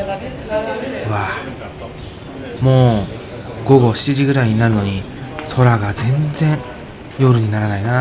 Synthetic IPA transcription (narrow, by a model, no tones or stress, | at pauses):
βa | mo̞ː | ɡo̞ɡo̞ɕi̥t͡ɕiʑiɡɯ̟ɾaiɲ̟inaɾɯ̟no̞ɲ̟i | so̞ɾaɡazẽ̞nd͡zẽ̞ɰ̃ | jo̞ɾɯ̟ɲ̟inaɾanaina